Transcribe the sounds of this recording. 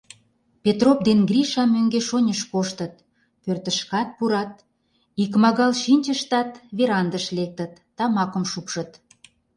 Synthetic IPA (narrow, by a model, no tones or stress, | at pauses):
pet̪rop̚d̪enɡriʃɑmːøŋɡeʃonʲəʃkoʃt̪ət̪̚ | pørt̪əʃkɑt̪̚puɾɑt̪̚ | ikmɑɣɑlʃinʲt͡ɕəʃt̪ɑt̪βeɾɑnd̪əʃlek̚t̪ət̪ːɑmɑkə̆mʃupʃə̆t̪